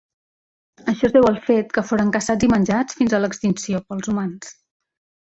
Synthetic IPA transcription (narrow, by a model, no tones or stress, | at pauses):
əʃɔzðɛwəlˠfet̪kəfoɾəŋkəsad͡zimənʲd͡ʒat͡sfinzələkst̪insiopəlˠzumans